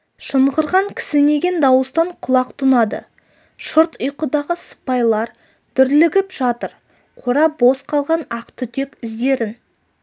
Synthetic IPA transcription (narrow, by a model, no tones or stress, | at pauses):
ʃəɴʁəɾʁɑŋkʲʰɪ̥sɪne̞ɡʲe̞nd̪ɑwəst̪ɑɴqʰʊlˠɑqt̪ʰʊnɑd̪ə̰ | ʃʊɾt̪ʊjqəd̪ɑʁəsə̥pɑjlˠɑɾ | d̪̥ʏɾlɪɡʲɪpʒ̥ɑt̪əɾ | qʰoɾɑbo̞sqʰɑlˠʁɑnɑqt̪ʏt̪ʰe̞kʲɪzd̪e̞ɾɪn